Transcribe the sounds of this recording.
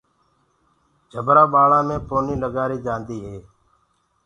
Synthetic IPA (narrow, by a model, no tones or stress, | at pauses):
d͡ʒʱəbɾaːɓaːɭaːmẽːpoːniːləɡaːɾiːd͡ʒaːnd̪iːɦeː